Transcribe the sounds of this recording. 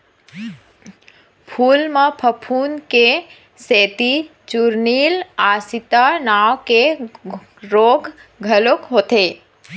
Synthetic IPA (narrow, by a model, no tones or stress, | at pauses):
pʰuːlmãpʰəpʰuːnke | seːt̪i | t͡ʃuɾniːlaːsit̪anaʋke | ɾoːɡɡʱəlokɦoːt̪eː